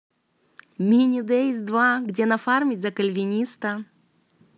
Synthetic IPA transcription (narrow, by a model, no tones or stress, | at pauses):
mʲinʲɪd̪eizʲd̪vaɡdʲenɐfarmʲɪtʲzɐkəlʲvʲɪnʲist̪ɐ